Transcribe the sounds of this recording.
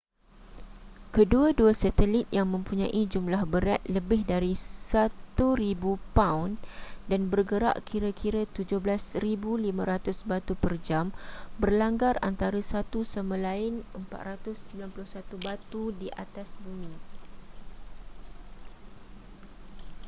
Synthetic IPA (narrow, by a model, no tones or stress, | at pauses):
kəduaduasat̪əlit̪̚jaŋmə̃mpuɲãʔid͡ʒumlahbəɾat̪̚ləbɪhdaɾisat̪uɾibupawndanbərɡəɾa̰ʔkʰiɾakʰiɾat̪ud͡ʒʊhblasɾibulimãɾat̪ʊsbat̪upərd͡ʒambərlaŋɡara̰nt̪aɾasat̪usamə̃laɪnəmpa̰t̪̚ɾat̪ʊsːəmbilanpulʊhsat̪ubat̪udiʔa̰t̪asbumĩ